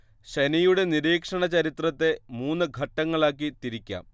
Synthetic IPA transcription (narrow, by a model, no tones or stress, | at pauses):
ɕenijuɽe̞niɾiːkʂɐɳɐt͡ɕɐɾit̪rɐt̪ːe̞muːnːɨɡʱɐʈːɐŋːɐɭaːk̬ːit̪iɾikʲːa̰ːm